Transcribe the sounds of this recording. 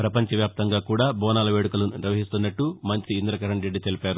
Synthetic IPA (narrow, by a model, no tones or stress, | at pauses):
pɾɐpɐɲt͡ʃɐʋjaːp̚t̪ɐŋɡaːkuːɽaːbɔːnaːlɐʋeːɽukulɐnuniɾʋɐɦist̪unːɐʈːumɐɲt͡ʃiːnd̪ɾɐkɐɾɐɳʈɾeɖːit̪elipaːɾu